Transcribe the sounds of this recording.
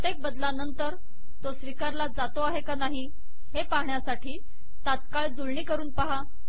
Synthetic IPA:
ət̪jek̚bəd̪lanənt̪əɾ | t̪osʋikaɾlad͡zat̪oaɦekanaɦi | hepaɦɳjasaʈʰiː | t̪at̪̚kaɭd͡zuɭɳiːkəɾuːnpaɦa

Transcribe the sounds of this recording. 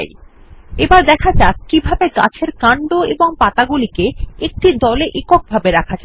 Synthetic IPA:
j | ebaɾd̪ɛkʰad͡ʑakkːibʱabeɡa̰t͡ɕʰeɾkaɳɖoeboŋpat̪aɡulikeek̚ʈid̪ɔleʔikok̚bʱabeɾakʰad͡ʑa

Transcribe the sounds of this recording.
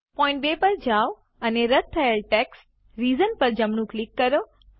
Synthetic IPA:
pɔ̃ːɪ̃ɳʈ̚beːpɐɾd͡ʑaːʋ | ɐneɾɐt̪̚t̪ʰːɐjəlʈeːksʈ | ɾiːzənpɐɾd͡ʑɐmnũklɪkːɐɾoː

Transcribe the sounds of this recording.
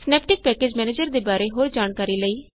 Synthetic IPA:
snɛːpʈɪk̚pɛːkeːd͡ʒmɛːneːd͡ʒəɾd̪eːbaːɾeːɦoːɾd͡ʒaːɳkaːɾiːləiː

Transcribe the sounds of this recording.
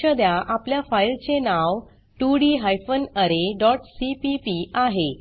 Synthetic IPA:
əd̪jaʔapljafailt͡senaw | ʈuɽiɦajfənəɾeɖɔʈsipipiaɦe

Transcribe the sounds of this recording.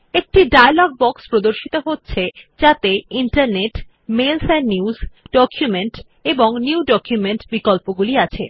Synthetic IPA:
ek̚ʈiɖajalɔɡ̚bɔkspɾod̪oɾʃit̪oɦotːɕʰed͡ʑat̪eiɳʈaɾneʈ | melsɛnniuzɖɔkʰjumeɳʈ | eboŋniwɖɔkjumeɳʈbikolpoɡuliat͡ɕʰḛ

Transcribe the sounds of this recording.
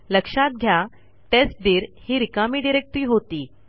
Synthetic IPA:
ləkʂat̪̚ɡʱja | ʈesʈ̚d̪iːɾhiːɾikamiːɖiɾek̚ʈɾiːɦot̪iː

